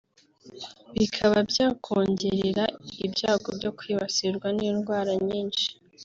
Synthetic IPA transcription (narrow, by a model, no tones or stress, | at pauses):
βikʰaβabɟaːkʰoːɲɟeɾeɾaibɟaːɡobɟo̞kwiːβasiɾɡwaniːnɡwaːɾaɲiːnʃi̥